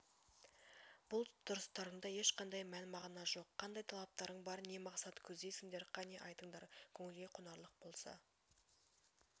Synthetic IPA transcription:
b̥ʊlˠd̪̥ʰʊɾəst̪ɑɾəɴd̪ɑje̞ʃqʰɑnd̪ɑjmænmɑʁnɑʒo̞qʰːɑnd̪ɑjt̪ʰɑlˠɑp̚t̪ɑɾəɴbɑɾne̞mɑqsɑt̪kʲʰɵzd̪e̞jsɪŋd̪e̞ɾqʰɑne̞ʔɑjt̪əɴd̪ɑɾkʲʰɵŋɪlɡʲe̞jqʰʊnɑɾlˠəq̚bo̞lˠsɑ̰

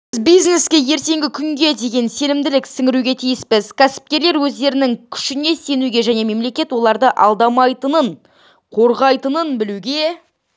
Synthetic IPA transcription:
bɪzbijzne̞skʲe̞je̞ɾt̪e̞ŋɡʲɪkʲʰʏŋɡʲe̞d̪e̞ɡʲe̞nse̞nɪmd̪ɪlɪksɪŋʲɪɾuɡʲe̞t̪ʰijɪspɪzkʲʰæsɪ̥p̚kʲe̞ɾle̞ɾwɵzd̪e̞ɾɪnɪŋkʲʰʏ̥ʃɪne̞se̞nuɡʲe̞ʒæne̞me̞mle̞kʲe̞t̪wo̞lˠɑɾd̪əʔɑ̰lˠd̪ɑmɑjt̪ənəɴ | qʰo̞ɾʁɑjt̪ənənbɪluɡʲe̞

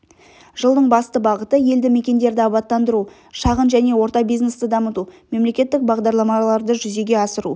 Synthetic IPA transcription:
ʒəlˠd̪əɴbɑst̪əbɑʁət̪əje̞ld̪ɪme̞kʲe̞nd̪e̞ɾd̪ɪɑpɑt̪ːɑnd̪əɾu | ʃɑʁənʒæne̞wo̞ɾt̪ɑbijznest̪əd̪ɑmət̪ume̞mle̞kʲe̞t̪ːɪk̚bɑʁd̪ɑɾlˠɑmɑlˠɑɾd̪əʒʏze̞ɡʲe̞ɑsəɾu

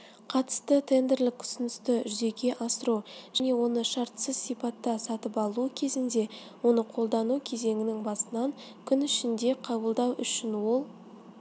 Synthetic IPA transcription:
qʰɑt̪ə̥st̪ət̪ʰe̞nd̪e̞ɾlɪk̚t̪ʰʊ̥sɪnɪst̪ɪʒʏze̞ɡʲe̞ʔɑsəɾuʒ̥æne̞wo̞nəʃɑɾt̪səzsijpɑt̪ːɑsɑt̪əpɑlˠuəkʲʰe̞zɪnd̪e̞ | wo̞nəqʰo̞lˠd̪ɑnukʲʰe̞ze̞ŋɪnɪŋbɑsənɑŋ | kʲʰʏnʏʃɪnd̪e̞qʰɑbəlˠd̪ɑwʔʏʃɪnwo̞lˠ

